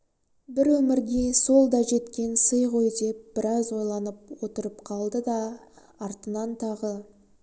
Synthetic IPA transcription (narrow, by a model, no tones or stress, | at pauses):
bɪɾwɵmɪɾɡʲe̞so̞lˠd̪ɑʒe̞t̪kʲe̞nsəjqo̞jd̪e̞p̚b̥ɪɾɑzwo̞jlˠɑnəp̚wo̞t̪əɾəpqʰɑlˠd̪əd̪ɑː | ɾt̪ənɑnt̪ʰɑʁə